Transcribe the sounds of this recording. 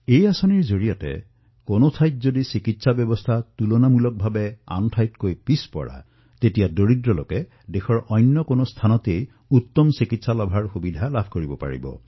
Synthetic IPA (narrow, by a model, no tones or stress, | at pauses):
ejasɔniɹzoɹijɔtɛ̰ | konotʰajt̚zodisikitsabjɔbɔst̪ʰatulɔnamulɔk̚bʱabɛa̰ntʰajtkojpispɔ̰ɹa̰ | tetijadoɹidɹɔlokɛ | dexɔɹʔɔjnːɔkonost̪ʰanɔtej | ut̪ːɔmsikitsalɔbʱaɹxubidʱalabʱkoɹibɔpa̰ɹḭbɔ̰